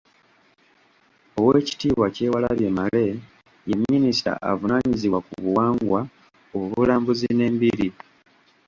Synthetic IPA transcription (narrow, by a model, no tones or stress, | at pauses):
o̞weːci̥tiːβwace̞ːwala̰βje̞male̞ | jemːinista̰a̰vunaɲiziβwakṵβuwaːŋɡwa | oβuβulaːmbuzine̞ːmbiɾi